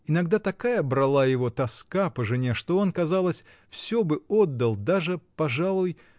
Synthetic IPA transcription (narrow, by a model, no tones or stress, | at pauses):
ɪnɐɡd̪at̪ɐkajəbɾɐlˠajɪvo̞t̪ɐskapəʐɨnʲeʂt̪o̞o̞nkɐzalˠəsʲ | fsʲɵbɨod̪ːəlˠd̪aʐɨpɐʐalˠʊj